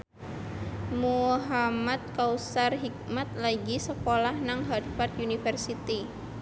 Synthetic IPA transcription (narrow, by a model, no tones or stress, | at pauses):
muɦamat̪̚kausarɦik̚mat̪̚laɡisəkolahnaŋɦadfart̪junifərsit̪i